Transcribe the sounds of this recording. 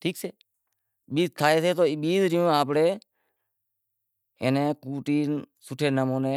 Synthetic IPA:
ʈʰiːkseː | ɓiːzt̪ʰaːeːseːt̪oːɪɓiːzɾɪjũːaːpɽeː | ɪnẽːkuːʈiːn | sʊʈʰeːnəmõːnẽː

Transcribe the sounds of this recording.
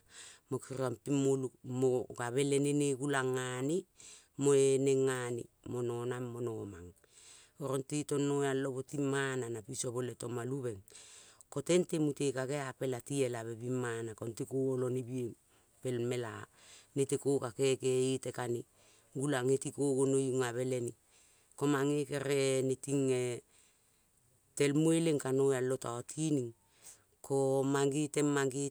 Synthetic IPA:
mokiɾampimulukmoɡaβe̞leneneɡulaŋːani | moeneŋːanḭ | mo̞nonamːo̞noma̰ŋ | oɾontito̞nːoealoβotimananapisoβoleto̞maluβe̞ŋko̞te̞ntemutekaɡeape̞latielaβe̞bimːanakontikoolonibie | pe̞lme̞la̰ | netekokakekeitekani | ɡulaŋetikoɡonojuŋaβe̞leni | komaŋekeɾenetiŋe | te̞lmueleŋkanoalo̞taotʰiniŋ | komaŋɡitemaŋɡi

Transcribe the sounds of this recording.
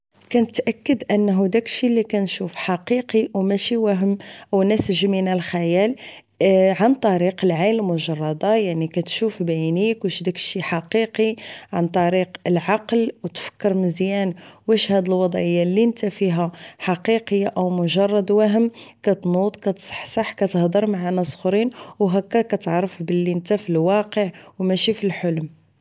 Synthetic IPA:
kænət̪ʔækːəd̪ʔənːɦud̪ækʃilːikænʃufħɑqiqiwmæʃiwæɦəmʔəwnæsʒminælxæjæl | ʕant̪ˤɑɾiqəlʕalmʊʒɑrˤːɑd̪ɑjaʕnikæt̪ʃufbajnikwæʃd̪ækʃiħɑqiqiʕant̪ˤɑɾiqəlʕɑqlwt̪fə̥kːəɾməzjænwæʃhæd̪əlwɑd̪ˤʕəjːalːint̪æfiɦæħɑqiqəjːaʔəwmʊʒɑrˤːɑd̪wæɦəmkæt̪nut̪ˤkæt̪sˤħsˤɑħkæt̪əhd̪ˤəɾˤmaʕanæsˤxɾinwɦækːækæt̪ʕɾˤəfbəlːint̪æfilwɑqəʕwmæʃifilħolm

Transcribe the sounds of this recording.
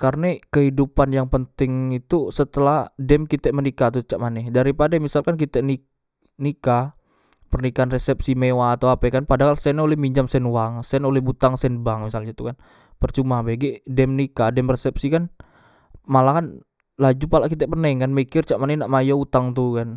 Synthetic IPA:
karnekəɦidupanjaŋpənt̪ɪŋit̪usət̪əlahdɛmkit̪ɛʔmənikat̪ut͡ʃaʔmanɛdaɾipadamisalkank̬it̪ɛʔni | nika | pərnikaːnresɛp̚simewaːt̪awapɛkanpadaɦalsɛnolɛhmiɲd͡ʒamsɛnwaŋsɛnolɛhbut̪aŋsɛnbaŋmisalɲat̪ukan | pərt͡ʃumabaɡɛʔdɛmnikadɛmresɛp̚sikan | malakan | lad͡ʒupalaʔkit̪̬ɛʔpənɛŋkanmikɪrt͡ʃaʔmanɛnaʔmajaut̪aŋt̪ukan

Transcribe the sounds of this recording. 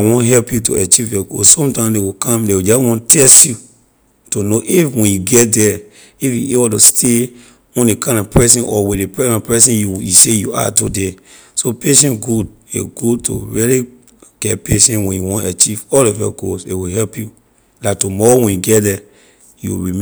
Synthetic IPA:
wɔ̃nɦɛlpjutṵat͡ʃivjɔɡo̰ssɔ̃mtãɪ̃mdewikãmdewid͡ʒɔswɔ̃ntɛsju | tunoʔifwɛ̃njuɡɛt̚dɛ | ifjṵebɔtustʰe | ɔ̃ndekãɪ̃ndɔpɹɛsɛ̃nʔɔwĩepɹɛnɔpɹɛsĩnjujusejua̰tude | sopeʃɛ̃nɡud | ḛɡudtʰo̰ɹili | ɡ̥ɛtpeʃɛ̃nwɛ̃njuwɔ̃ntat͡ʃivɔlɔfjɔ̰ɡosḛwiɦɛlpju | latumɔɹowɛ̃njuɡɛtdɛ | jṵɹim

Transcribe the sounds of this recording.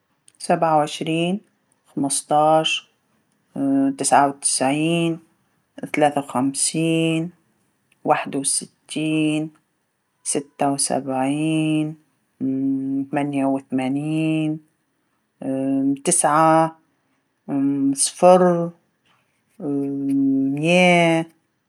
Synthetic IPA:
sabʕawʕɪʃɾiːn | xamɨst̪ɑːʃ | t̪ɪsʕawt̪ɪ̥sʕiːn | θalaːθawxamsiːn | waːħɪd̪wɪsɪt̪ʰːiːn | sɪt̪ːawsa̰bʕiːn | θamanjawɪθamaːniiːn | t̪ɪsʕa | sˤfɑɾ | mjeː

